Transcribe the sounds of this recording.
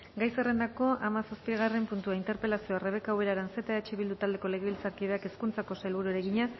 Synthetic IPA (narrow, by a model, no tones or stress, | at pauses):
ɡajsere̞nd̪ako̞ʔamasaspiɣ̞are̞mpunt̪uaint̪e̞ɾpe̞lasio̞are̞βe̞kawe̞ɾaɾanse̞t̪aeat͡ʃiβild̪ut̪ald̪e̞ko̞le̞ɣe̞βilt͡saɾkiðeake̞skunt͡sako̞sajlβuɾueɾeɣiɲa